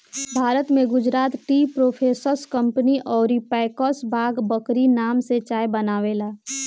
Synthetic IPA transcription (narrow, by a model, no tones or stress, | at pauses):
bʱaːɾət̪mẽɡʊd͡ʒɾaːt̪ʈiːpɾoːpʰeːsəɾskə̃mpəniʔɔːɾipɛːɪkɔːsbʱaːɡbəkɾinaːmset͡ʃaːjebənaːʋeːlaː